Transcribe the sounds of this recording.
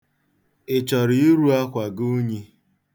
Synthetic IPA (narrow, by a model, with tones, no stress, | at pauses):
ɪ˨t͡ʃɔ˨ɾɪ˨i˦ɾu˦a˦kʷa˨ɡu˦ɲi˦